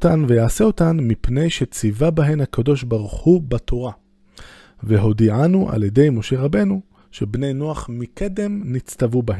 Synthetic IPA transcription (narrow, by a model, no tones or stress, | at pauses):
tanve̞jaːseo̞tanmipne̞jʃet͡sivabaɦe̞nhakʰado̞ʃbaʁuχubatʰo̞ʁa | veɦo̞d̪iʕanuʔa̰ljede̞jmo̞ʃe̞ʁabe̞nu | ʃe̞bne̞jnoaχmiked̪emnit͡stavubahe